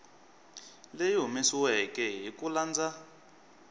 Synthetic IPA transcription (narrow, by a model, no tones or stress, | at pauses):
lejomisiwɛkɛɦikʼuland͡za